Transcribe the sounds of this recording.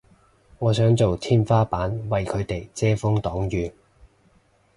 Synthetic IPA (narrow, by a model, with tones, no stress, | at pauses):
ŋɔː˨˧sœː˨˥ŋt͡so˨wt̪ʰiː˥nfaː˥paː˨˥nwɐ˨jkʰɵ˨˧ɥt̪e˨jt͡sɛː˥fʊ˥ŋt̪ɔː˨˥ŋjyː˨